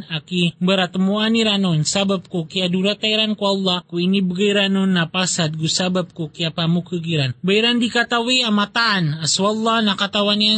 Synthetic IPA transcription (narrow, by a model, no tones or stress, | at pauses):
akibəɾat̪əmuaniɾanɔnsabap̚kokiaduɾat̪aiɾankualːahkuinibəɡajɾanʊnːapasat̪̚ɡusabap̚kokiapamukəɡiɾanbaiɾandikat̪aweamat̪aːnaswalːanakat̪awania